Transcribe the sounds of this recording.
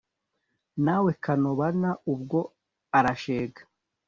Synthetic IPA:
naːwe̞kanoβanaubɡo̞ | aɾaʃeːɡḁ

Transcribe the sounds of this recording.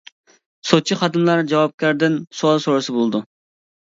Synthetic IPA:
sot͡ʃʰiχɑd̪ɨmlˠɑɾd͡ʒɑwɑp̚kʲɛɾd̪ɪnsoɑlˠsoɾɨsɨbolˠɨd̪u

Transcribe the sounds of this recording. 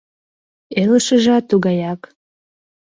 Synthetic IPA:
eləʃəʒɑt̪ːuɣɑjɑk

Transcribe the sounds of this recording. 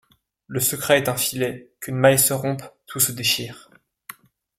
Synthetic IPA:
ləsəkχɛɛt̪ɛ̃filɛkʲʰynmajsəʁɔ̃pt̪ʰusəd̪eʃiːʁ

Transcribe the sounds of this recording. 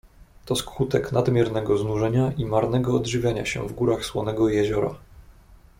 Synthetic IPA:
t̪ɔskwut̪ɛknad̪mʲjɛɾnɛɡɔznuʐɛɲaʔimaɾnɛɡɔːd̪ʐɘvʲjaɲa̰ɕɛ̰vɡuɾaxswɔnɛɡɔjɛʑɔɾa̰

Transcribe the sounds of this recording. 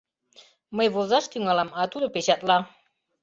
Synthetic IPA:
məjβozɑʃt̪yŋɑlɑmɑt̪ud̪ɤpet͡ɕɑt̪lɑ

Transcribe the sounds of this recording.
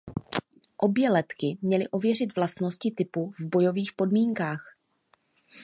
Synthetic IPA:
ʔo̞bjɛlɛt̪kɪmɲɛlɪʔo̞vjɛr̝ɪt̪vlast̪no̞scɪt̪ɪpuvbo̞jo̞viːxpo̞dmiːŋkaːx

